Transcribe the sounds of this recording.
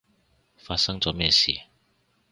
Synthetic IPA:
faː˧t̚sɐ˥ŋt͡sɔː˨˥mɛː˧sḭː˨˩

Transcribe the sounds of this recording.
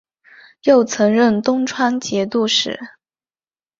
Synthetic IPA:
jo˥˩ʊt͡sʰɤ˧˥ŋɻə˥˩nt̪ʊ˥ŋʈ͡ʂʰwa˥nt͡ɕjɛ˧˥t̪u˥˧ʂɻ̩̰˨˩˦

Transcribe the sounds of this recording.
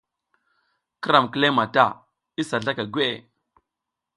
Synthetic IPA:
kə˦ɾa˨mkə˦le˦ma˨ta˦˨ | i˦sa˨ɮa˦ka˨ɡʷe˦ʔe˨

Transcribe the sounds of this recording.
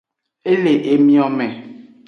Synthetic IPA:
e˦le˨ʔe˨mĩ˦ɔ˨mɛ̃˨

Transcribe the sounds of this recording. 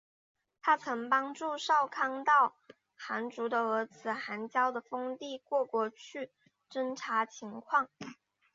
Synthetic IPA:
t̪ʰa˥t͡sʰɤ˧˥ŋpɑ˥ŋʈ͡ʂu˥˧ʂɑ˥˩ʊkʰɑ˥ŋt̪ɑ˥˩ʊ | xa˧˥nʈ͡ʂu˧˥d̪ə˧ɤ˧˥t͡sʰɹ̩˨˩xa˧˥nt͡ɕjɑ˥ʊd̪ə˨˩fɤ˥ŋt̪i˥˧kwɔ˥˧kwɔ˥˩t͡ɕʰy˥˩ | ʈ͡ʂə˥nʈ͡ʂʰa˧˥t͡ɕʰi˧˥ŋkʰwɑ˥˩ŋ

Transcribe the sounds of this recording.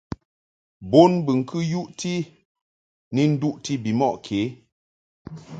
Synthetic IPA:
bo˦nbɨ˨ŋ̩˨kʰɨ˦ju˦ʔti˦ | ni˦n̩˦du˦ʔti˦bi˨mɔ˦˨ʔkʰe˨˦

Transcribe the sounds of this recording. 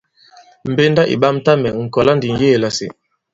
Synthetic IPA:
m̩˨be˦nda˦ʔḭ˨ba˦m̩˦ta˦mɛ˨ŋ̩˨kɔ˨la˦ndi˨ŋ˨je˦˨la˨sḛ˨

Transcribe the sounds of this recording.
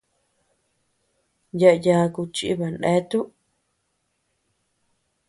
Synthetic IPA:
ja˧ʔja˧ku˧t͡ʃḭ˦βa˨nẽ˦t̪u˦ʔ

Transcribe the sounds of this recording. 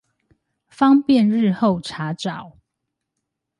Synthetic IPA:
fɑ˦ŋpjɛ˥˨nɻ̩˥˨xo˥˨ʊʈ͡ʂʰa˨˦ʈ͡ʂɑ˨˩˦ʊ

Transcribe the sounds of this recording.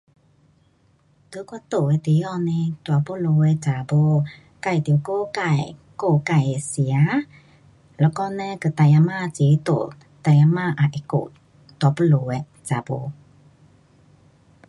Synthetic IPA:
t̪u˧˦kwa˧˦t̪o˨˩ɛ˧˨t̪i˨˦jɔ˧˨nɛ˧t̪wa˧˦po˦˨lo˧ɛ˧t͡sa˨bo˧ | ka˧˨jt̪i˧˨ko˥˧˨ka˧˨j | ko˧˩ka˧˨je˨si˨a˦ | lɛ˧˦kɔ˧nɛ˧kɯ˧˨t̪a˧˨ja˧maː˧˨t͡se˨˦t̪o̰˨ | t̪a˧˨ja˧ma˧ʔa˨ʔe˧˦ko̰˧˨ | t̪po˧˨lo˧˨wɛ˧ | t͡sa˨bo˧

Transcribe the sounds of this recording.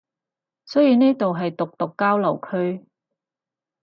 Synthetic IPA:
sɵ˥ɥjiː˨˧neː˥t̪o˨wɦɐ˨jt̪ʊ˨k̚t̪ʊ˨kːaː˥wlɐ˨˩wkʰɵ˥ɥ

